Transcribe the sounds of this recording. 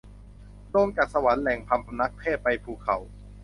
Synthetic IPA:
doː˧ŋt͡ɕaː˨˩t̪̚sa˧wa˩˦nlɛ˨˩ŋpʰa˧mpʰa˧na˦˥k̚pʰɛː˥˩pːa˧jpʰuː˨˩kʰa˩˦w

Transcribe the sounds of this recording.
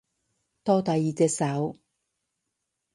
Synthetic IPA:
t̪ɔː˥t̪ɐ˨jːiː˨˩t͡sɛː˧t̚sɐ˨˥w

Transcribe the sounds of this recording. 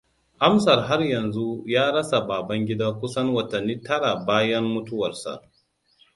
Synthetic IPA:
ʔa˦msɐ˨rɦa˦rjɐ˨nzu˦jaː˦ɽɐ˦sa˨baː˨bɐ˦ŋɡʲɪ˦daː˦kʷʊ˦sɐ˦nwɐ˨tɐ˨nːiː˦tɐ˦ɽa˨baː˦jɐ˦mːʊ˦tʊ˦wɐ˨rsa̰˨

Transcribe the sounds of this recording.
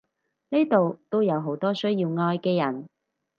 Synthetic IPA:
ne˥t̪o˨wt̪o˥wjɐ˨˧wɦo˨˥wt̪ɔː˥sɵ˥ɥjiː˧wŋɔː˧jkɛː˧jɐ˨˩n

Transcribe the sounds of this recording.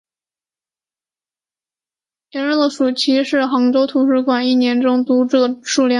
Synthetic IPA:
ɛ˧˥ɻə˥˩d̪ə˩ʂu˨˩t͡ɕʰi˧˥ʂɻ̩˥˩xɑ˧˥ŋʈ͡ʂo˥ʊt̪ʰu˧˥ʂɻ̩˧˥kwa˨˩ni˥˩njɛ˧˥nʈ͡ʂʊ˥ŋt̪u˧˥˩ʂu˥˩ljɑ˥˩

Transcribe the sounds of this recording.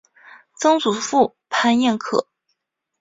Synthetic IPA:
t͡sɤ˥ŋt͡su˨˩fu˥˩ | pʰa˥˧njɛ˥˩nkʰɤ̰˨˩˦

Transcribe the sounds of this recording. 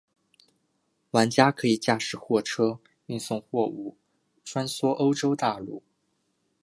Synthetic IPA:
wa˧˥nt͡ɕja˥kʰɤ˧˥i˨˩t͡ɕja˥˧ʂɻ̩˥˩xwɔ˥˩ʈ͡ʂʰɤ˥ | y˥˧nsʊ˥˧ŋxwɔ˥˩u˥˩ | ʈ͡ʂʰwa˥nswɔ˥ʔo˥ʊʈ͡ʂo˥ʊt̪a˥˧lṵ˥˩

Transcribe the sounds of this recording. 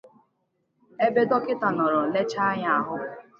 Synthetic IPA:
e˦be˦dɔ˦kɪ˦ta˨nɔ˨ɾɔ˨le˦t͡ʃa˦a˦ɲa˦a˨ɦʊ˦˨

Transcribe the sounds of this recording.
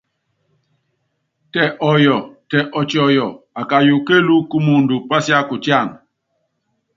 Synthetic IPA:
tɛ˨ʔɔ˨jɔ˨tɛ˨ʔɔ˨t͡ʃi˨ɔ˨jɔ˨ | a˨ka˨ju˨ke˦lu˦ku˦mu˨n˨du˨pa˦sja˦ku˨tja˦˨n

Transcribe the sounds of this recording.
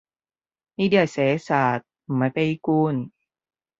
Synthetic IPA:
ni˧˥di˧˩əsɛː˨˦saː˨˩t̪̚maː˨˦˥jpa˧ji˧kuː˧˩n

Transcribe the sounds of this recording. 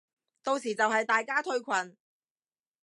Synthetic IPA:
t̪o˧wsiː˨˩t͡sɐ˨whɐ˨jt̪aː˨jkaː˥t̪ʰɵ˥ɥkʷʰɐ˨n

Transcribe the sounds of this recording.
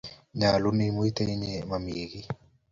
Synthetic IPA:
ɲa˨lu˦ni˦mui˦t̪e˦i˦ɲɛma˨miɣi

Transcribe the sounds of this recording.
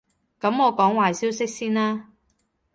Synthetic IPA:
kɐ˨˥mɔː˨˧kɔː˨˥ŋwaː˨jsiː˥wsɪ˥k̚siː˥naː˥

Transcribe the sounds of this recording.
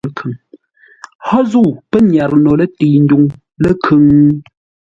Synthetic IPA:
kʰʉ˨ŋ | hɔ˦zu˦˨pə˦ɲja˨ɾno˨lə˦ti˨n̩˦du˦ŋ | lə˦kʰʉ˨˦ŋ

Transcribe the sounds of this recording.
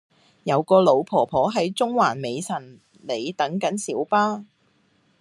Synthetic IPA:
jɐ˨˧wkɔː˧lo˨˧wpʰɔː˨˩pʰɔː˨˥ɦɐ˨˥jt͡sʊ˥ŋwaː˨˩nme˨˧jsɐ˨˩n | le˨˧jt̪ɐ˨˥ŋkɐ˨˥nsiː˨˥wpaː˥

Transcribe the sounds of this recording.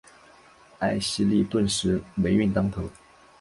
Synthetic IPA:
a˥˩ɪɕi˥li˥˧t̪wə˥˩nʂɻ̩˧˥we˧˥ɪy˥˩nt̪ɑ˥ŋt̪ʰo˧˥ʊ

